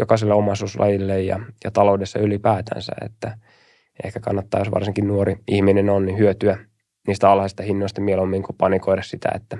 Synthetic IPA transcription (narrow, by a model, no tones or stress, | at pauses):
jokɑselːeomɑsuːslʔɑ̰jilːejjɑ̰jɑt̪ɑloudesːɑylipæːt̪æ̰nsæ̰ḛt̪ːæ | ḛhkækɑ̰nːɑt̪ːɑːjosʋɑ̰rsiŋkinnuoɾiihminenonnihyøt̪yæ | niːst̪æɑlhɑsist̪ɑhinːoist̪ɑmielomːiːŋkupɑnikoidɑssit̪ʰæ̰ḛt̪ːæ